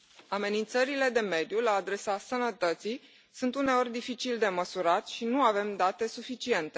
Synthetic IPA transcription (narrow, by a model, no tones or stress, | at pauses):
ame̞nint̪səɾile̞d̪e̞me̞d̪julaːd̪ɾe̞sasənət̪ət̪sij | sunt̪une̞o̞rʲd̪ifit͡ʃild̪e̞məsuɾat̪ʲʃinuave̞md̪at̪e̞sufit͡ʃie̞nt̪e̞